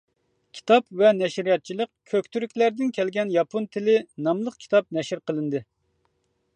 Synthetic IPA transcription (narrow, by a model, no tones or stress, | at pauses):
kʲʰi̥t̪ʰɑpvɛnɛʃɾijɑt̪̚t͡ʃʰilˠəq̚kʲʰøkʲt̪ʰyɾykʲlæɾd̪ɪnkʲʰɛlɡʲɛnjɑpʰont̪ʰɪlɪnɑmlˠəqkʲʰi̥t̪ʰɑp̚nɛʃɪɾqəlˠɨnd̪ɨ